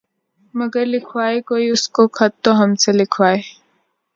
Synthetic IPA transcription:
mɐɡəɾlɪkʰwaːekoːiʊskokʰɐt̪ːoɦɐmselɪkʰʋaːeː

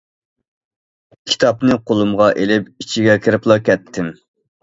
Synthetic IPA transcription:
kʲʰi̥t̪ʰɑpnɨqʰolˠumʁɑʔelɪpit͡ʃʰiɡʲɛkʲʰeɾɪplˠɑkʲɛt̪ʰːɪm

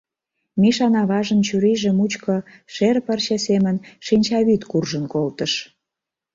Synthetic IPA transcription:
miʃɑnɑβɑʒə̆nt͡ɕyɾiʒĕmut͡ɕkɤʃerpərɕesemə̆nʃinʲt͡ɕɑβyt̪kurʒənkolt̪əʃ

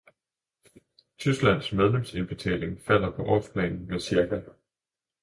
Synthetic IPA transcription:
t͡sʰysɡ̥læn̰smeð̞ˠlemse̝nb̥e̝t͡sʰɛ̰ːle̝ŋfæl̰ɐpʰɒ̽ʔɒ̰spʰlɛ̰ːnn̩mesiɐkʰæ

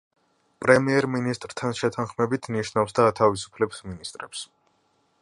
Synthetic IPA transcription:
pʼɾɛmiɛɾminist̪ʼɾt̪ʰanʃɛt̪ʰanχmɛbit̪ʰniʃnafsd̪aːt̪ʰavisu̥pʰlɛbsminist̪ʼɾɛps

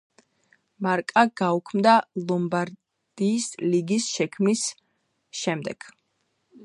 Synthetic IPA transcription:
maɾkʼaɡ̥aukʰmd̪alˠɔmbaɾ | d̪̥iːsliɡisʃɛkʰmis | ʃɛmd̪ɛɡ̥

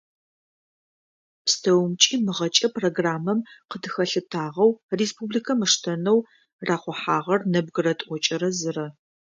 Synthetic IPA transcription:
pstʰɐwmt͡ʃʼiːmɨʁɐt͡ʃʼɐproːɡraːmɐmqədɨxɐɬɨtʰaːʁɐwreːspʰublikʰɐmɨʂtʰɐnɐw | raːχʷɔħaːʁɐrnɐb̚ɡɨrɐtʼʔʷɔt͡ʃʼɐɾɐzɨrɐ

